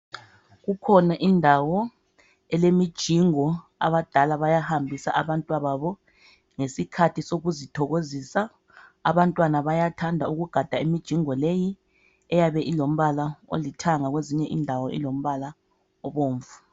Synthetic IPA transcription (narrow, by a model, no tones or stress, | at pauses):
ɣukʰɔnaʔindʱawɔ | ɛlemid̥ʒ̥ʱiŋɔ | a̰βad̥ʱalaβajahambʱisa̰ʔaβantʼwaβaβɔ | ŋesikʰatʰisoɣuzitʰɔɣozisa | a̰βantʼwanaβajatʰandʱauɣuɡ̥ʱad̥ʱaimid̥ʒ̥ʱiŋɔleji | ɛjaβɛʔilom̩βalao̰litʰaŋaɣweziɲɛʔḭndʱawɔḭlom̩βala | ɔβoːɱvu